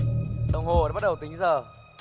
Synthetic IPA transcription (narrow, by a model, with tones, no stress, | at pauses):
ɗə˨˩wŋ͡mɦo˨əː˨˦ɓt̚ɗə˨˩wt̪ï˨˦ŋ̟zəː˨˩